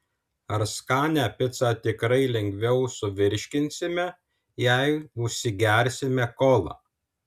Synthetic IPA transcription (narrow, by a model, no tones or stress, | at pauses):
ɐɾskɑːnʲæːpʲɪt̪sɑːt̪ʲɪkɾɐɪlʲɛŋʲɡʲʋʲɛʊsʊʋʲɪɾʲʃʲkʲɪnʲsʲɪmʲɛ | jæɪʊʃʲsʲɪɡʲæɾʲsʲɪmʲɛkoːlˠɑ̰